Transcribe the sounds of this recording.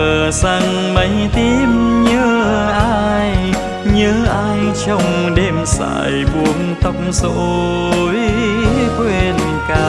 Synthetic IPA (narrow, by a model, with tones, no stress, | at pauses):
əː˨˩saː˧ŋ | mə˨˦jt̪i˧˥mɲəː˨˦ʔaː˧j | ɲəː˨˦ʔaː˧jt͡ɕɔ˧wŋ͡mɗe˧msa̰ː˧˨jɓu˨˦ənt̪ə˧˩wŋ͡mso˧˨ | j | kwe˧˩lḭ˨kaː˧